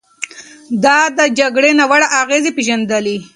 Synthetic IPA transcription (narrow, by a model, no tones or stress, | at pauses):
d̪ɑd̪əd͡ʒaɡɽenawaɽaʔaɣezepeʒand̪əli